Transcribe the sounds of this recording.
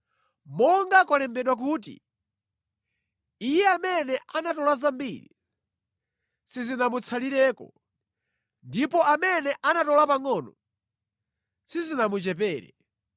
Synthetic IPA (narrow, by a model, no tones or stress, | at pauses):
mɔŋɡakwalɛmbɛɗwak̬uːt̬ḭ | ijɛamɛnɛʔanatɔlazambiɾḭ | sizinamut͡sʰaliɾɛːkɔ̰ | ndipɔʔamɛnɛʔanatɔlapaŋɔnɔ | sizinamut͡ʃɛp̬ɛːɾɛ̰